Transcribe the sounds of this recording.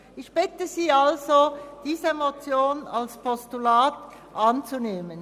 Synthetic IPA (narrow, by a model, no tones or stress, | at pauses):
ʔɪçb̥ɪtəziːalzod̥iːzəmot͡sjoːnalspʰɔstulaːt | ʔant͡suneːmən